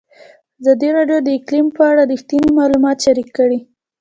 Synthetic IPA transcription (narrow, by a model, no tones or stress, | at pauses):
azɑd̪iɾɑɖjod̪əɪklimpəaɽad̪əxt̪inimɑlumɑt̪ʃaɾikːəɽi